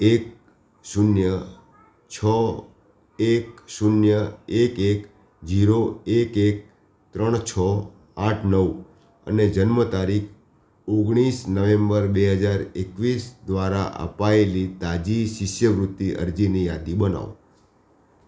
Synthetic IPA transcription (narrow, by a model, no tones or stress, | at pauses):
ek̚ | sunjə | t͡ʃʰɔ | eksunjəekek | d͡ʒiɾoekek̚ | t̪ɾəɳ̃t͡ʃʰə | ãʈʰnəʋ | ə̰ned͡ʒənmət̪aɾikʰ | oɡɽ̃isnəʋẽmbəɾbeɦəd͡ʒaɾekʋisd̪ʋaɾa̰ʔə̰paelit̪ad͡ʒiʃɪʃjəʋɾʊt̪ːiʔə̰ɾd͡ʒinijad̪ibəna̰ʋ